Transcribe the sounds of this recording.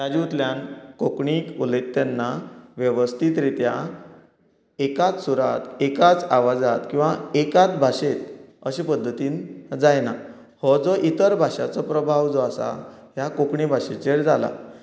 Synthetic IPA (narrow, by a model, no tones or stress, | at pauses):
jad͡ʑiut̪ljankokɳikulekt̪janːaʋjəʋəst̪ʰiːt̪ɾit̪ja | ekat͡s̪suɾat̪ekat͡saʋad͡zat̪kĩw̃ʋaekat̪bʱaɕet̪əɕepəd̪ʱːət̪iːnd͡zajna | hɔd͡zɔʔit̪əɾbʱaɕat͡sɔpɾəbʱaʋd͡zɔasa̰ɦjakokɳibʱaɕet͡ɕeɽd͡zala̰